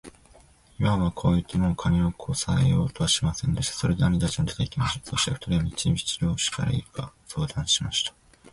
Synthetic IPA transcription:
imaβakʰo̞ːit̪ːɨmokʰanʲiokʰosaejo̞ːt̪o̞βaɕimasẽ̞nd̪e̞ɕi̥t̪ḁso̞ɾe̞d̪eamʲit̪at͡ɕinod̪et̪eikʲimaɕi̥t̪aso̞ɕi̥t̪eɸɯ̥t̪aɾiβamʲit͡ɕimʲit͡ɕiɾoːɕi̥ka̰ɾa̰ikaso̞ːd̪ãɰ̃ɕimaɕi̥t̪ḁ

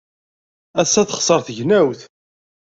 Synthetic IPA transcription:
æsːæθəχsˤəɾθʝnæwθ

